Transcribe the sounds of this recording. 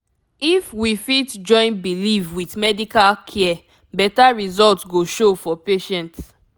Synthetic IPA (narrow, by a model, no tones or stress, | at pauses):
ifwifitd͡ʒɔ̃ɪ̃nbilifwiθmɛdikalkʰɛ | bɛtaɹizɔltɡoʃofɔpeʃɛ̃nt